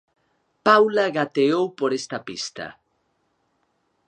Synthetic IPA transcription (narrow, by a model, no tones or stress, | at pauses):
pawlaɣat̪eowpoɾest̪ɐpist̪ɐ̰